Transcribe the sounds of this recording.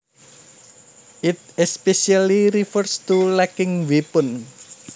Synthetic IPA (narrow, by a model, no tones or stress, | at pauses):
ʔɪt̪̚ɛspesialiɾifərst̪ulɛkɪŋwipʊn